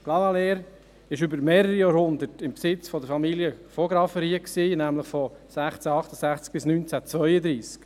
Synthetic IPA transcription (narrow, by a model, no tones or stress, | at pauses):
ɡ̥lɑvɑleːɾ | ɪʃʏbəɾmeːɾəɾijɑːɾhʊnd̪ətɪmpsɪt͡sfɔd̪əɾfɑmiljəfɔɡɾɑfəɾiːəksiːnæmləχfɔsæχt͡sæɑχt̪əsæχt͡sk̚b̥ɪsnyːnt͡sæt͡sʋœʏəd̪ɾiːsk